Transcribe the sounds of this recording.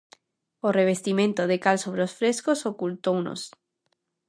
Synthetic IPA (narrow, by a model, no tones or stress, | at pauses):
oreβ̞est̪imẽnt̪oð̞ekalsoβɾeosfɾeskosokult̪owno̰s